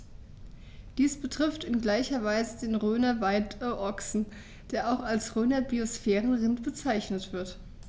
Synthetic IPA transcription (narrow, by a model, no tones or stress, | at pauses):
d̥iːsb̥ətʁ̥ɪftɪnɡlaɪçɐvaɪzədeːnʁøːnɐvaɪtəʔɔksn̩ | d̥eːɐʔaʊxalsʁøːnɐbiosfɛːʁən̩ʁɪntb̥ət͡saɪçnətv̥ɪɐt